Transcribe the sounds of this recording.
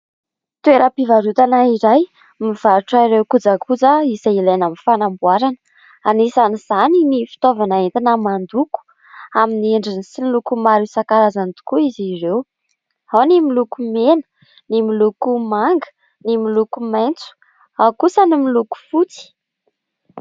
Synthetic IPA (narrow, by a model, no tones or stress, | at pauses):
t̪weɾəpivaɾut̪anaiɾaj | miv̥aɾuʈ͡ʂaiɾewkud͡zakʰud͡zaisailanamifanambuaɾanə̥ | anisaniz̥aninifi̥t̪ovanaent̪inəmand̪uku̥ | aminieɳɖ͡ʐinisinlukumaɾusakaɾazant̪u̥kuizirew | hawnimilukumenə̥ | nimilukumaŋɡə̥ | nimilukumajnt͡su̥ | akusənimiluku̥fut͡si̥